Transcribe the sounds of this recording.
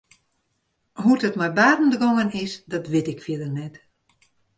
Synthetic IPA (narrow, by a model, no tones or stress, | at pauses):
hutətmɛjbaːdn̩dəɡɔŋənɪsdɔtʋɪtɪkfjiədərnɛt